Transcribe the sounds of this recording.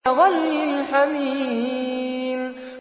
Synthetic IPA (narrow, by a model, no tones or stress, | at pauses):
ɣalːilħamiː | m